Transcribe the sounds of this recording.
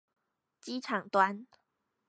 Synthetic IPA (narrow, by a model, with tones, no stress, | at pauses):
t͡ɕi˦ʈ͡ʂʰɑ˨˩ŋt̪wa˦n